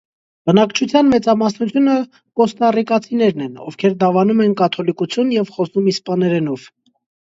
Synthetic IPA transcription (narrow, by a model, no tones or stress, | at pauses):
b̥ənɑkt͡ʃʰut͡sʰjɑnmɛt͡sɑmɑsnut͡sʰjunə | kɔst̪ɑrikɑt͡sʰinɛɾnɛnɔ̰vkʰɛɾd̪ɑvɑnumɛnkɑt̪ʰɔlikut͡sʰjunjɛvχɔsumispɑnɛɾɛnɔv̥